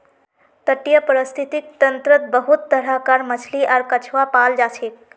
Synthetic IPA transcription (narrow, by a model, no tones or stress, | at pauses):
t̪əʈijəpəɾəst̪ʰit̪ik̚t̪ənt̪ɾət̪̚bəɦut̪ːəɽ̤akaɾmət͡ɕʰliʔaɾkət͡ʃʰʋapald͡ʒat͡ʃʰek̚